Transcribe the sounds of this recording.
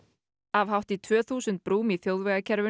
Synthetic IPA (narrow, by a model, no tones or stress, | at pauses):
avɦawht̪it̪ʰvœːθuːsʏnt̪̚pɾuːmiθjowðvɛːɣacʰɛɾvʏ